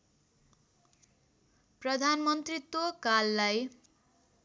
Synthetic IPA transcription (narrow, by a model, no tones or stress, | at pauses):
prʌd̪ʱanmʌnt̪rit̪wokalːaj